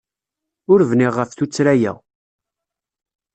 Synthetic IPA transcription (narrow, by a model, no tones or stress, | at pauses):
ʊɾvnɪʁːəfθut͡sːɾæjæ̰